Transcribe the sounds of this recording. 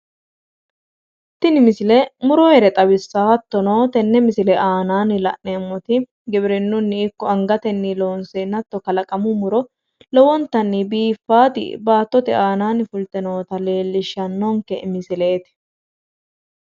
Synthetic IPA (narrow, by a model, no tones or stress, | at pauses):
t̪ːɪnɪmɪsɪlɛmʊɾɔhɛɾɛt̪ʼɐbɪsːaːɐt̪ːɔnoːt̪ɛnːɛmɪsɪlɛʔaːnaːnɪlɐ̰ʔnemːɔt̪ɪ | ɡɛbɾɛnːʊnːɪɪkːɔɐŋɡɐt̪ɛnːɪlo̞ːnseːnːɐt̪ːɔkɐlɐkʼɐmʊmʊɾɔ | lɔwɔnt̪ɐnːɪbiːfːaːt̪ɪ̰baːt̪ːɔt̪ɛʔaːnaːnɪfʊlt̪ɛnoːt̪ɐle̞ːlːɪʃːɐnːoŋkɛmɪsɪleːt̪ɪ̥